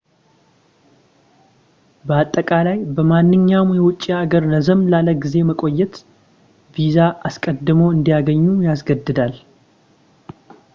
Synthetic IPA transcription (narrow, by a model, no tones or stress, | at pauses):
bəat̪ʼːəkʼalajbəmanːɨɲːamjɛwʊt͡ʃʼːiaɡəɾnəzəmlaləɡize̞məkʼo̞jːɛt̪ | vizaʔaskʼəd̪ːɨməwɨnd̪ijaɡəɲːujas̬ɡəd̪ːɨd̪al